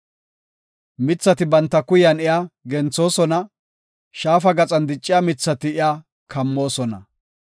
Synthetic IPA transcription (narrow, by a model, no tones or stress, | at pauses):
mɪt͡sːɐt̪ɪbɐnt̪ːɐkʊjɐnɪjaɡɛnt͡sːo̞ːsɔnɐ | ʃaːfɐɡɐt͡sʼɐnd̪ɪt͡ʃʼːɪjamɪt͡sːɐt̪ɪɪjaː | kʰɐmːo̞ːsɔnɐ̰